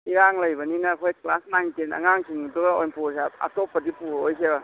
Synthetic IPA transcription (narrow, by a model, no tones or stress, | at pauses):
iɾaŋlɐjbɐninaːkʰojklasnaŋtenɐ̰ŋaŋkʰiŋuduɡaojnpʰusaa̰topːɐdipuɾojkʰeba